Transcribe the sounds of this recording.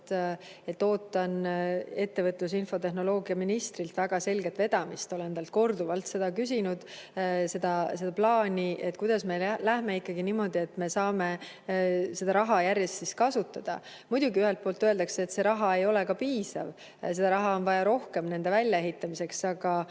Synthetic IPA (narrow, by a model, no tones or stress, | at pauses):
e̞t̪ːo̞ːt̪ːˑɑne̞t̪ːe̞vɤt̪ːˑlus̬info̞t̪e̞ɦno̞lo̞ːɡ̥iɑminist̪rilt̪væɡ̥ɑse̞lɡet̪ve̞d̪̥ɑmist̪o̞le̞nt̪ɑlt̪̚ko̞rd̪uvɑlt̪se̞d̪ɑkysinud̪̥ | se̞d̪̥ɑse̞d̪ɑplɑːnʲiʔet̪ːˑkujd̪̥ɑsmelæhme̞ikːɑɡiniːmo̞d̪̥ie̞t̪ːme̞sɑːme̞ | se̞d̪̥ɑɾɑɦɑjærje̞st̪siskɑsut̪ːˑɑd̪̥ɑ̰ | mud̪̥uɡiyhe̞lt̪̚po̞ːlt̪ːˑøeld̪ɑkseːt̪se̞ɾɑɦɑe̞jo̞le̞kɑpiːsɑ̰v | se̞d̪ɑɾɑɦɑo̞nvɑjɑɾo̞hke̞mne̞nd̪e̞vælʲjɑe̞ɦit̪ːˑɑmise̞ksɑɡ̥ɑ